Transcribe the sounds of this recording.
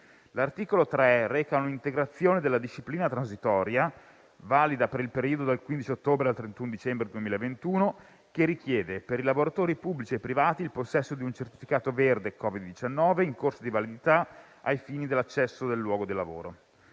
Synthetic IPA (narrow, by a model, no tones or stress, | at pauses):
lart̪iːkolot̪ɾɛrɛːkaunint̪eɡɾat̪sːjoːned̪elːad̪iʃːipliːnat̪ɾansit̪ɔːɾja | vaːlid̪apeɾilpeɾiːod̪od̪elkwind̪it͡ʃiot̪ːoːbɾealt̪ɾent̪unod̪it͡ʃɛmbɾed̪uemiːlaevent̪uːno | k̟erik̟jɛːd̪epeɾilavoɾat̪oːɾipubːlit͡ʃiepːɾivaːt̪iːlposːɛsːod̪iunt͡ʃert̪i̥fikaːt̪overd̪ekɔːvid̪ːit͡ʃanːɔːveiŋkorsad̪ivalid̪it̪a | ajfiːnid̪elːat͡ʃːɛsːod̪elːwɔːɡod̪ilːavo̰ːɾo